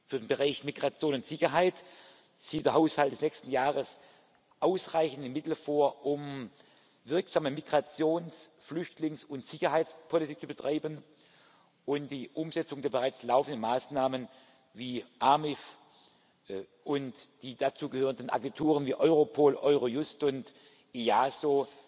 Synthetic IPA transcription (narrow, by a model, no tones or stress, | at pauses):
fyːɐdeːnbəʁaɪçmiɡʁat͡sjoːnʊntz̥ɪçɐɦaɪt | z̥iːt̚d̥eːɐɦaʊshaltd̥ɛsnɛkstn̩jaːʁəs | ʔaʊsʁaɪçn̩tɪmːɪtl̩foːɐʔʊm | vɪɐkz̥aːməmiɡʁat͡sjoːnsflʏçtlɪŋsʊntz̥ɪçɐɦaɪtspʰolitʰiːk̚t͡sub̥ətʁ̥aɪbən | ʔʊntd̥iːʔʊmzɛt͡sʊŋdeːɐbəʁaɪt͡slaʊfən̩dənmaːsnaːmən | viːʔamɪf | ʔʊntd̥iːd̥at͡suːɡəhøːʁəndn̩ʔa̰ɡɛntʰuːʁ̞ənviːʔɔʏʁopʰoːlʔɔʏʁojʊstʊnt | eaːsoː